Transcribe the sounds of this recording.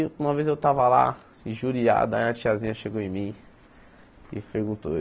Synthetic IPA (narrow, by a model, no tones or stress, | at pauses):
ũmɐvezewt̪avɐla̰ | ĩʒuɾia̰d̪ɐaĩɐt͡ʃiazĩɲɐʃeɡoẽj̃mĩ | ɪpeɾɡũnt̪o